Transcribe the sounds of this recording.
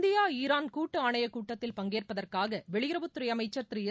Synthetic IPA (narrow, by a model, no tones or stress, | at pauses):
d̪ɪjaːiːɾaːnkuːʈːɯaːɳɐjɐkuːʈːɐt̪ːɪlpɐŋɡeːrpɐðɐrkaːɣɐʋɛɭɪɣɪɾɐʋɯt̪ːʊɾɐjɐmɐɪt͡ʃːɐt̪ɪɾɪjɪ